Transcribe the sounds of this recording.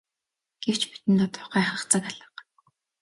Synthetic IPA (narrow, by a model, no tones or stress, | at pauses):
ɡ̥ew̥t͡ɕpi̥t̪ɘ̆nt̪ɔt̪ʰʊ̥χæːχə̆χt͡sə̆kaɮə̆q